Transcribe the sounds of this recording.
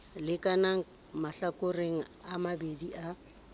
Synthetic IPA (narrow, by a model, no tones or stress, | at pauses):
lɪkʼanaŋ̩ | maɬakʼʊreŋ̩ | amabediʔa